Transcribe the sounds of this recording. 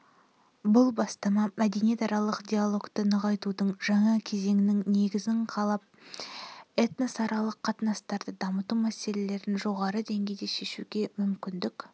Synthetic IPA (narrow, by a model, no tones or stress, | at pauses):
bʊlˠbɑst̪ɑmɑmæd̪e̞nije̞t̪ɑɾɑlˠəqd̪ʲijalˠo̞kt̪ənəʁɑjt̪ud̪əɴʒɑɴɑkʲʰe̞ze̞ŋɪnɪŋne̞ɡʲɪzɪɴqʰɑlˠɑp̚ | e̞t̪nosɑɾɑlˠəqʰːɑt̪ənɑst̪ɑɾd̪əd̪ɑmət̪umæse̞le̞le̞ɾɪnʒo̞ʁɑɾəd̪e̞ŋɡʲe̞jd̪e̞ʃe̞ʃuɡʲe̞mʏmkʲɪnd̪ɪk